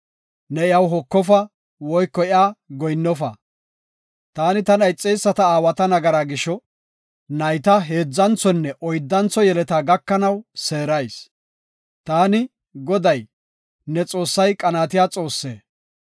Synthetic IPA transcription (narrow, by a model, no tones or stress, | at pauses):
nɛɪjɐwɦɔkːɔfɐ | wɔjkːɔɪaːɡɔjnːɔfɐ | t̪aːnɪt̪ɐnɐjt͡sʼːejsːɐt̪ɐaːwɐt̪ɐnɐɡɐɾaːɡɪʃɔ | nɐjt̪ɐɦe̞ːd͡zːɐnt͡sɔnːɛʔɔjd̪ːɐnt͡sːɔjɛlɛt̪aːɡɐkːɐnɐwse̞ːɾɐjs | t̪aːnɪ | ɡɔd̪ɐj | nɛt͡sʼo̞ːsːɐjkʼɐnaːt̪̬ɪjaːt͡sʼo̞ːsːḛː